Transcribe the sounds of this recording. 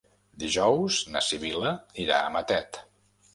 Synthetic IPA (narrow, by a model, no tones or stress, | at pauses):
d̪iʒɔwznəsiβiləniɾa̰əmət̪ɛt̪